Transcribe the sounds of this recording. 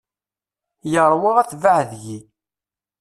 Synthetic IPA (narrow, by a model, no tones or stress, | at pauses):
jəɾˤwaʁæθvahðʝi